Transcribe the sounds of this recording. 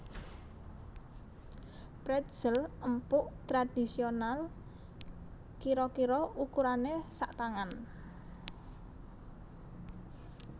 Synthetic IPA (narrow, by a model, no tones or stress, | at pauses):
pɾɛt̪z̥ələmpʊʔt̪ɾad̪̥i̤sional | kiɾɔkiɾɔukuɾanesaʔt̪aŋan